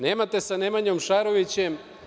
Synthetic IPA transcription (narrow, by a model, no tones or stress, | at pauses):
neːmat̪e̞sanemaɲomʃaɾoʋit͡ɕem